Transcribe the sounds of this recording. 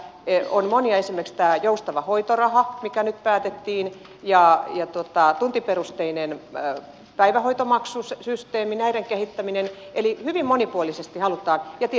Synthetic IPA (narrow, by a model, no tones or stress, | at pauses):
onmoniɑesimerkst̪æːjoust̪ɑʋɑhoit̪orɑhɑmikænyt̪pæːt̪et̪ːiːn | jɑjɑt̪uot̪ɑt̪unt̪iperust̪einen | pæiʋæhoit̪omɑksussyst̪eːminæiɾeŋkehit̪ːæminen | elihyʋimmonipuolisest̪ihɑlut̪ɑːnjɑt̪i